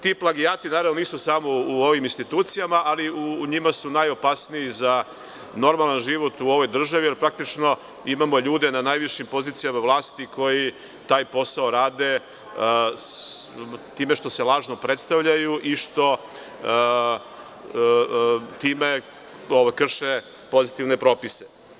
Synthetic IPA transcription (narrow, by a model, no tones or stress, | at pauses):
t̪iːplˠaɡijaːt̪inaɾavnoniːsusaːmouo̞ʋiminst̪it̪uːt̪sijamaʔaliuɲimasunajo̞pasnijiza | no̞ɾmalˠanʒiʋo̞t̪uo̞ʋo̞jd̪r̩ʒaʋije̞lpɾak̚t̪it͡ʃno̞ | imamo̞ʎuːd̪enanaːjʋiʃimpo̞ziːt̪sijamaʋlˠaːst̪ikʰo̞ji | t̪aːjpo̞saoɾaːd̪e | t̪iːmeʃt̪o̞selaːʒno̞pɾet̪st̪aʋʎajuʔiʃt̪o̞ | t̪iːme̞ | oʋajkr̩ʃe | po̞zit̪iʋne̞pɾo̞ːpise